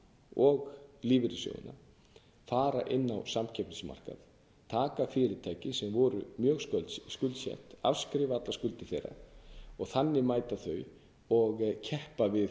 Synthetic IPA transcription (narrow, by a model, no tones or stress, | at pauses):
ɔɣliːvɪɾɪsjo̰wɪ̰na | faːɾa̰ʔɪnːa̰wsamcʰɛpnɪsma̰r̥ka̰ð | t̪ʰaːkafɪːɾɪt̪ʰaːjcɪsɛmvɔɾʏ̰mjœːɣsœskʏlt̪sjɛ̰ht̪a̰fskɾɪːvaat̪laskʏlt̪ɪθejrːa̰ɔɣθanːɪmaːjt̪aθœj | ɔɣcʰɛhpavɪð